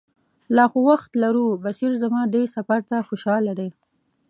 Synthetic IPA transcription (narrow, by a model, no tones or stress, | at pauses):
lɑxowaxt̪laɾubasiɾzamɑd̪esafaɾt̪axoʃɑlad̪e